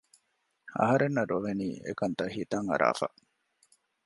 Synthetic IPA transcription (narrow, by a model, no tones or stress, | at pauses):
ɐ̰ɦɐɾenːɐɾoʋeniːḛkɐnt̪ɐhit̪ɐŋɐ̰ɾʔa̰ːfa̰